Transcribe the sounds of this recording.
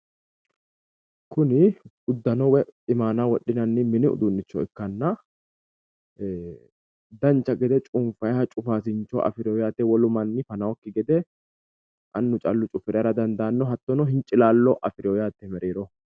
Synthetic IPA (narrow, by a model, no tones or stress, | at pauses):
kʰʊnɪ | ʊd̪ːɐnɔwɛɪmaːnawɔɗːɪnɐnːɪmɪnɪʊ̰d̪ʊnːɪt͡ʃːɔɪkːɐnːɐ | d̪ɐnt͡ʃːɐɡɛd̪ɛt͡ʃʼʊnfɐjhɐt͡ʃʼʊfaːsɪnt͡ʃːɔʔɐ̰fɪɾɪjɔjaːt̪ːɛwɔlʊmɐnːɪfɐnɐwɔkːɪɡɛd̪ɛ | ʔɐnːʊt͡ʃʼɐlːʊt͡ʃʼʊfɪɾɪjaɾɐd̪ɐnd̪aːnːɔɦɐt̪ːɔnɔhɪnt͡ʃʼːɪlaːlːɔʔɐfɪɾɪjɔjaːt̪ːɛmɛɾeːɾɔ